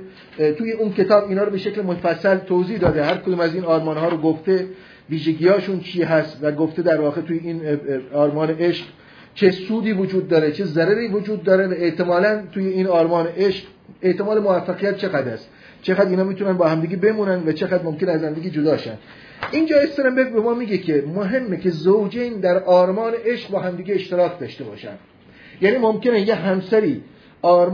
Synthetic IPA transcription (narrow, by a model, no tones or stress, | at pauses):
t̪ʰuːjeunkʰʲe̞t̪ɒːbiːnɒːɾobe̞ʃekʲlemofæsːælt̪ʰoziːhd̪ɒːd̪eɦæɾkʰod̪uːmæziːnɒːɾmɒːnhɒːɾoɡoft̪e | viːʒeɡiːjɒːʃunt͡ʃʰiːɦæst̪væɡoft̪e̞d̪æɾvɒːɣe̞t̪uːjeiːnɒːɾmɒːneʔeʃq | t͡ʃʰesuːd̪iːvod͡ʒuːd̪̚ːɒːɾet͡ʃʰezæɾæɾiːvod͡ʒuːd̪̚ːɒːɾevæeʔt̪emɒːlænt̪ʰuːjeiːnɒːɾmɒːneʔeʃq | eʔt̪e̞mɒːlemovæfːæɣijæt̪̚t͡ʃʰe̞ɣæd̪æst̪ | t͡ʃʰeɣæːd̪iːnhɒːmit̪unænbɒːhæmd̪iːɡebe̞muːnænd̪væt͡ʃʰe̞ɣæd̪momkʲe̞neæzhæmd̪iːɡʲed͡ʒod̪ɒːʃæ̰nd̪ | ʔiːnd͡ʒɒːest̪eɾembekbemɒːmiːɡekʲʰemoɦe̞mːeke̞zowd͡ʒend̪æɾʔɒːɾmɒːneʔe̞ʃq̚bɒːɦæmd̪iːɡeeʃt̪eɾɒːkʰd̪ɒːʃt̪e̞bɒːʃæ̰nd̪̥ | jæːniːmomkenejeɦæmsæɾiː | ɒːɾ